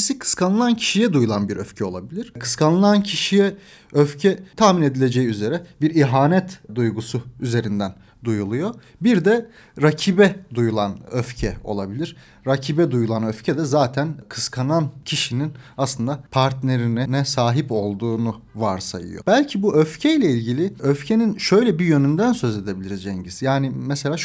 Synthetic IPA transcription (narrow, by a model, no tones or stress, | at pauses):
sikʰɯ̥skʰanɯlˠancʰi̥ʃijɛd̪ujulˠanbiɾøfcʰɛo̞lˠa̰bilʲiɾ̥kʰɯ̥skʰanˠɯlˠancʰiʃijɛ | øfcʰɛt̪ʰahmine̞d̪ilʲe̞d͡ʒejiyze̞ɾɛbiɾiɦaːnɛt̪d̪ujɡusuyze̞ɾind̪æn | d̪ujulˠujo | biɾd̪ɛ | ɾacʰibɛd̪ujulˠanøfcʰɛo̞̰lˠabilʲiɾ̥ | ɾacʰiːbɛd̪ujulˠanøfcʰɛd̪ɛzaːt̪ʰænkʰɯ̥skʰanancʰiʃininaslˠɯnd̪apʰaɾt̪neɾinɛnɛsaːɦipo̞lˠd̪uːnuvaɾsa̰jɯ̰jo̰b̥ælʲcʰibuʔøfcʰɛjlʲɛilʲɟilʲiøfcʰe̞ninʃø̞jlʲɛbijø̞nynd̪ænsø̞ze̞d̪e̞bilʲiɾizd͡ʒɛɲɟisjaːnimɛselʲaː